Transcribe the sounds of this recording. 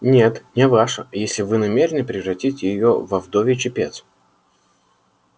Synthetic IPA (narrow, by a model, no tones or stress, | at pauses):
nʲet̪nʲɪvaʂəjesʲlʲɪvɨnɐmʲeɾʲɪnɨpɾʲɪvrɐtʲitʲjɪjovɐvd̪ovʲɪt͡ɕɪpʲet̪s